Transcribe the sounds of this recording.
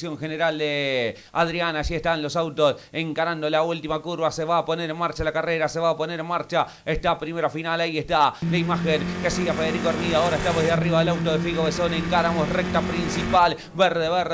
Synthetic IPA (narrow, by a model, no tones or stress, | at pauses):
sjo̞ŋxeneɾald̪e | aðɾjanaːʃieht̪anlo̞sawt̪o̞seŋkaɾand̪o̞lault̪imakuɾβaseβaːpo̞neɾenmaɾt͡ʃalakareɾase̞βaːpo̞neɾenmaɾt͡ʃa | eht̪apɾime̞ɾafinalaieht̪alaimaxenkesiafeðeɾikoeɾmiðoao̞ɾaeht̪aβeðeariβaðelawt̪oðefiɣoβesoneŋkaɾamosrek̚t̪apɾinsipal | βɛɾðeβeɾ